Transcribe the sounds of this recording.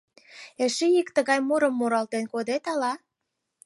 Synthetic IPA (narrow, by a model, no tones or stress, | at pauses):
eʃeikt̪əɣɑjmoɾə̆mːoɾɑlt̪enkod̪et̪ɑlɑ